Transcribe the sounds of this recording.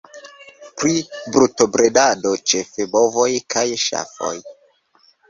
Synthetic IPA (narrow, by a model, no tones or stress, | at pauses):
pɾibɾutobɾedado̞t͡ʃe̞febovo̞jkʰajʃa̰fo̰j